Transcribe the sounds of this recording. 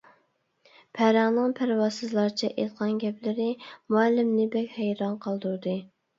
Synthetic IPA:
pʰæɾæŋnɨŋpʰæɾwɑsɨzlˠɑɾt͡ʃʰɛʔet̪̚qʰɑnɡʲɛplɪɾɪmuælːɪmnɪbɛkʲhæjɾɑnqʰɑlˠd̪uɾd̪ɨ

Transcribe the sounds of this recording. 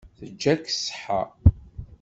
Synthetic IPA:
θəd͡ʒːæksħa̰

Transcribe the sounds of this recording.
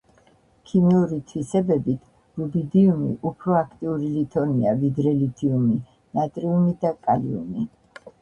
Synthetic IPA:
kʰimiuɾit̪ʰwisɛbɛbit̪ʰ | ɾubid̪iumḭʔupʰɾɔakʰt̪ʼiuɾilit̪ʰɔniavid̪ɾɛlit̪ʰiumi | nat̪ʼɾiumid̪akʼaliṵmi

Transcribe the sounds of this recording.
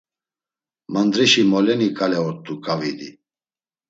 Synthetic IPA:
mand̪ɾiʃimɔlɛnikʼalɛɔɾt̪ʼːukʼavid̪i

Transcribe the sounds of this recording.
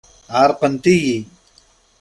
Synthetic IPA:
aːɾqɐnt̪iji

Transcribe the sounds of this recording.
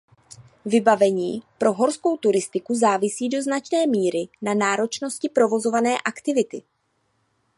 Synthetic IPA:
vɪbavɛɲiːpɾo̞ɦo̞ɾsko̞wt̪uɾɪst̪ɪkuzaːvɪsiːdo̞znat͡ʃnɛːmiːɾɪnanaːɾo̞t͡ʃno̞scɪpɾo̞vo̞zo̞vanɛːʔakt̪ɪvɪt̪ɪ

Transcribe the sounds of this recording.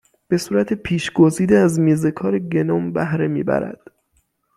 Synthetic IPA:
b̥e̞suːɾæt̪ʰe̞pʰiːʃɡoziːd̪eæzmiːze̞kʰɒːɾeɟe̞nɒmbæhɾe̞mḭːbæ̰ɾæ̰d̪̥

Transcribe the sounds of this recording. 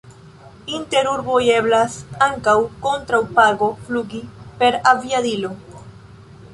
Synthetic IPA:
inte̞ɾuɾboje̞blasaŋkawko̞ntɾawpaɡo̞fluɡipe̞ɾaviadilo̞

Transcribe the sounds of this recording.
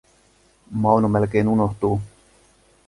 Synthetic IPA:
mɑwnomelk̟ejnunoht̪uː

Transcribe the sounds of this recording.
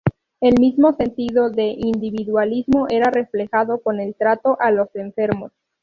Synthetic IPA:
e̞lmizmo̞se̞nt̪iðo̞ðe̞ʔind̪iβiðwalizmo̞ʔe̞ɾare̞fle̞xaðo̞ko̞ne̞lt̪ɾat̪o̞ʔalo̞se̞ɱfe̞ɾmos

